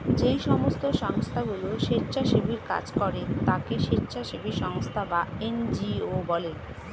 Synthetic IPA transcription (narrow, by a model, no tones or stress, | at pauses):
d͡ʑejʃɔmost̪oʃɔŋst̪ʰaɡuloʃetːɕʰaʃibiɾka̰d͡ʑkɔɾet̪akeʃetːɕʰaʃibʱiɾʃɔŋst̪ʰabaend͡ʑiobɔle